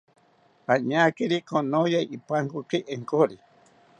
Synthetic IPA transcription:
aɲakiɾikonojaiʔipaŋkukeʔeŋkoɾi

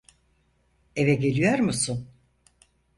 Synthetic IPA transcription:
evɛɟe̞lʲijoɾmusun

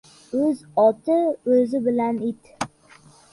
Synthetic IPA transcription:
ɵzɒt̪ɪɵzɪbɪlanɪt̪

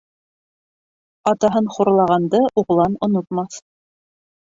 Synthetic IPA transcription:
ɑt̪ɑɦɤnχuɾlˠɑʁɑnd̪ɤʔuʁlˠɑnŏnŏt̪mɑθ

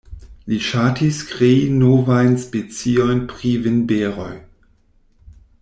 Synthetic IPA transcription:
liʃatʰiskʁeinovajnspet͡siojnpʁivenbeɾo̰j

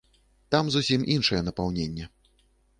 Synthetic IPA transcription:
t̪amzusʲimʔinʂɨjɛnɐpawnʲenʲːɛ

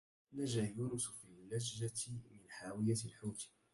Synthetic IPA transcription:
naʒajuːnʊsfilːad͡ʒːat̪mɪnħaːwɪjalħʊɾ

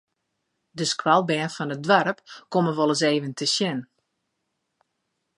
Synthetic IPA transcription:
dəskwalˠbɛːnfɔnət̚dʋaɾəpkoməʋɔlˠəseːvəntʰəsjɪn

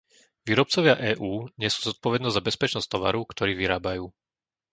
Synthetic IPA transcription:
ʋiːɾɔp̚t͡sɔʋɪaʔɛːʔuːɲɛsu̥ːzɔt̪̚pɔʋɛd̪nɔzʲzabɛspɛt͡ʃnɔstt̪ɔʋa̰ɾukt̪ɔɾiːʋiɾaːbajuː

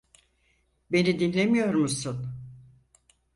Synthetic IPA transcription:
be̞nid̪inlʲe̞mijo̞ɾmusun

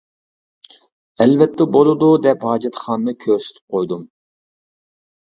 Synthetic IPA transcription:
ɛlvɛt̪ʰːɛbolˠɨd̪ud̪ɛphɑːd͡ʒɛt̪χɑnnɨkʲʰøɾsy̥t̪ʰy̥p̚qʰojd̪um

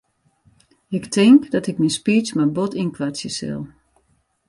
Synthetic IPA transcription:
ɪktʰɪŋkdɔtɪknispiːsmabotʰinkʋasjəsɪ̰lˠ

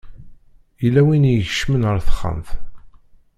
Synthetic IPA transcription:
ilːæwinjəçəʃmənəɾθə̥χːə̰mθ

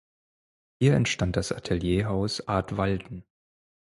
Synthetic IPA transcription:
hiːɐɛntʃtant̚d̥asʔatʰeljeːɦaʊsʔaɐtv̥aldn̩

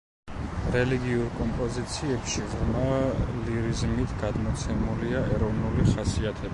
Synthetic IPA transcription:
ɾɛliɡiuɾkʼɔmpʼɔzit̪sʰiɛpʃiʁmaliɾizmit̪ʰɡad̪mɔt̪sʰɛmuliaɛɾɔvnuliχasiat̪ʰɛb

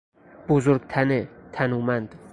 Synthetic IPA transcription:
b̥ozoɾɡt̪ʰænet̪ʰænuːmænd̪̥

